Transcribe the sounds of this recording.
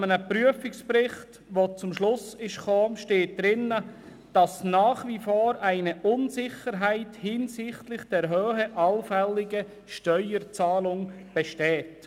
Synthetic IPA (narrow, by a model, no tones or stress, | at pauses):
mənəprɾyəfɪkspɾɪχt | ʋot͡sʊmʃlʊsɪʃkoːʃteːt̚d̪̥ɾɪnːə | d̥ɑsnɑːχʋifoːɾʔæɪnəʔʊnsɪχəɾɦæɪthɪnsɪχtlɪχd̥ɛːɾɦøːhəʔɑlfɛlːɪɡə | ʃtœʏəɾt͡sɑːlʊŋ | b̥ɛʃtɛːt